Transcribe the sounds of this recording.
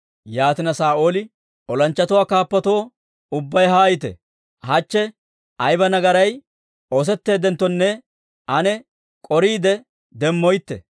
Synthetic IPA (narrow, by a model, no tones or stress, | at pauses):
jaːt̪ɪnɐsaːʔoːlɪ | ɔlɐnt͡ʃːɐt̪ʊwaːkaːpːɐt̪o̞ː | ʊbːɐjɦaːjɪt̪ɛ̰ | hɐt͡ʃːɛ | ɐjbɐnɐɡɐɾɐj | oːs̬ɛt̪ːe̞ːd̪ɛnt̪ːɔnːɛ | ʔɐnɛ | kʼɔɾiːd̪ɛ | d̪ɛmːɔjt̪ːɛ̰